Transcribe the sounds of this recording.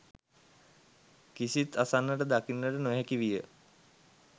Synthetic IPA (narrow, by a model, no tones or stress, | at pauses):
kisit̪asanːəʈəd̪akinːəʈənoɦɛkiʋijə